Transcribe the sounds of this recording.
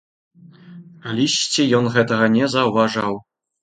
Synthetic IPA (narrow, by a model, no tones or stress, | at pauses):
alʲisʲt͡sʲɛjɔnɣɛt̪ɐɣɐnʲɛzɐwvaʐaw